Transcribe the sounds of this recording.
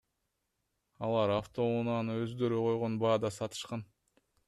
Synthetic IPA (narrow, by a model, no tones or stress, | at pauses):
ɑlˠɑɾaft̪o̞unɑnɯøzd̪ø̞ɾyqo̞jʁo̞nbɑːd̪ɑsɑt̪ɯ̥ʃqɑn